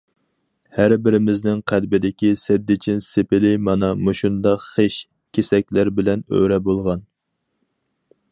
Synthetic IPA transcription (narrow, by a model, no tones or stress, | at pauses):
hæɾbɪɾɪmɪznɪŋqʰælbɪd̪ɪkʲisɛd̪ːɪt͡ʃʰɪnsepɪlɪmɑnɑmoʃund̪ɑqχeʃ | kʲʰesɛk̚ʲlæɾbɪlɛnø̰ɾɛbolˠʁɑn